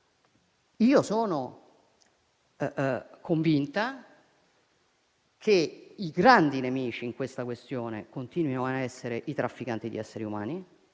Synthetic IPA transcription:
iːosoːno | kʰoɱvint̪a | kʰeiɡɾand̪inemiːt͡ʃiːŋkwest̪akwest̪joːnekont̪iːnwinoaɛsːeɾeʔit̪ɾafːikant̪id̪ḭɛsːeɾiumaːni

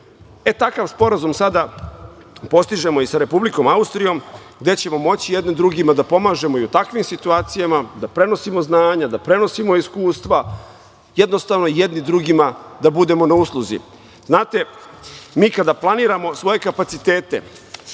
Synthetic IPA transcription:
e̞t̪akaʋspo̞ɾazumsad̪a | po̞st̪iʒe̞mo̞isaɾe̞publiko̞maust̪ɾijo̞m | ɡd̪e̞t͡ɕe̞mo̞mo̞t͡ɕijed̪ned̪ɾuɡimad̪apo̞maːʒe̞mo̞iut̪akʋimsit̪uaːt̪sijamad̪apɾe̞no̞simo̞znaːɲad̪apɾe̞no̞simo̞iskuːst̪ʋa | jed̪no̞st̪avno̞ijed̪nid̪ɾuɡimad̪abud̪e̞mo̞nauslˠuzḭ | znaːt̪e̞ | miːkad̪aplˠaniːɾamo̞sʋo̞je̞kapat̪sit̪e̞ːt̪e̞̰

